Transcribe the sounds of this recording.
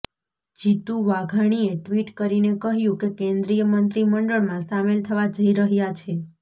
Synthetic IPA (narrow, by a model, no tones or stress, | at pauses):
d͡ʒit̪uʋaɡʱaɽ̃ieʈʋiʈkəɾinekəɦjũkekẽnd̪ɾijəmənt̪ɾiməɳɖəɭmãsamelt̪ʰəʋad͡ʒəiɾəɦjat͡ʃʰe